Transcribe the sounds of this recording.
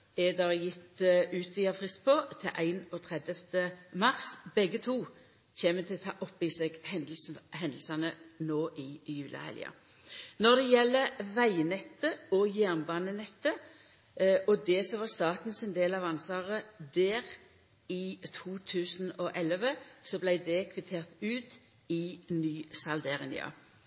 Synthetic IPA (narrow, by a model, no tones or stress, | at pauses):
ed̪ɑʁjɪt̪ːʉːt̪ʰʋiːɑfʁɪst̪pʰɔt̪ʰɪʔæɪnɔt̪ʰʁɛd̪jəft̪əmɑʁsbɛɡət̪ʰuː | çeːmət̪ʰɪlt̪ʰɑːʔɔpːɪseɡh̪sɦɛnd̪l̩sɑnənoːʔɪjʉːlɑ̰hɛ̰lj̰ɑ̰ | nɔʁd̪ɛjɛlːəʋæɪnɛt̪ːəɔjæːʁnbɑːnənɛt̪ːə | ʔɔd̪ɛsɔʋɑst̪ɑːt̪n̩sɪnd̪eːlɑʋɑnsɑːʁəd̪æːʁ | ɪt̪ʰuːt̪ʰʉːsn̩ɔʔɛləʋəsɔblæɪd̪ɛkʰʋɪt̪ʰeːʁt̪ʉːt̪ | ɪnyːsɑld̪ɛʁɛnɪ̰ɑ̰